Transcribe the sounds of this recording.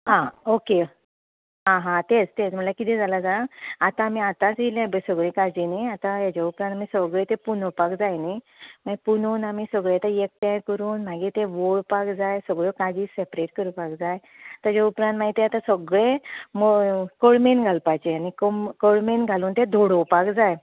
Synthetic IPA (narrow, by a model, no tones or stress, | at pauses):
ɦãoke | ɦãɦãt̪ed͡zt̪ed͡zm̤əʈlakit̪ɛ̃d͡zalad͡zaaat̪ãːmiːat̪ãt͡silãbəsəɡɭẽkad͡ʑiniat̪ãjat͡ɕaupɾãnt̪amisəɡɭet̪epunpakd͡zajni | m̤aɡpunuːnamiːsəɡɭet̪ajek̚tajkəɾuːnmaɡiːt̪eʋoɭpakd͡zajsəɡɭokad͡ʑiːsepɾeʈkəɾupakd͡zaj | t̪ət͡ɕaupɾãnt̪m̤aɡit̪ẽat̪ãsəɡɭemokəɽmenɡʱalpajt͡ɕeanikəkəɽmenɡʱaluːnt̪ed̪ʱoɽopakd͡zaj